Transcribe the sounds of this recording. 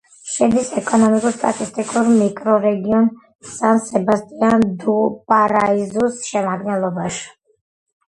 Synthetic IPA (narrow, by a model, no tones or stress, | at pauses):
ʃɛd̪isɛkʼɔnɔmikʼuɾst̪ʼat̪ʼist̪ʼikʼuɾmikʼɾɔɾɛɡiɔn | sansɛbast̪ʼiand̪upʼaɾaizusʃɛmaɡnɛlˠɔbaʃi̥